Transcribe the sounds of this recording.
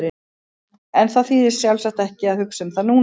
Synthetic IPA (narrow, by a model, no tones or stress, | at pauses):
ɾɪ | ɛnθaðfiːðɪ̥sjawlsaht̪ɛhcɪaðhʏksʏmθaðnuː